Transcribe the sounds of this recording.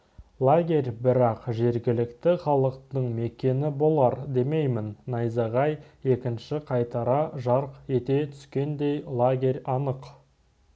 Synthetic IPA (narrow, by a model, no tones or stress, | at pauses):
lˠaɡʲe̞rʲbɪɾɑqʒe̞ɾɡʲɪlɪkt̪ɪχɑlˠəqt̪əɴme̞kʲe̞nɪbo̞lˠɑɾd̪e̞me̞jmɪnːɑjzɑʁɑje̞kʲɪnʃɪqʰɑjt̪ɑɾɑʒɑɾqe̞t̪e̞t̪ʰʏ̥skʲe̞nd̪e̞jlˠaɡʲe̞rʲɑnəq